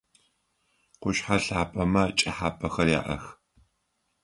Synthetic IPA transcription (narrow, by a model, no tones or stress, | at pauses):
qʷʊʃħaɬaːpʼɐmɐt͡ʃʼɐħaːpʰʼɐxɐrja̰ːʔɐ̰x